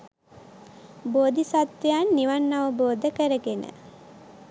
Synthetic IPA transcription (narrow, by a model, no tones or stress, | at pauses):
boːd̪isat̪ʋejanːiʋanːaʋəboːd̪əkəɾəɡenə̰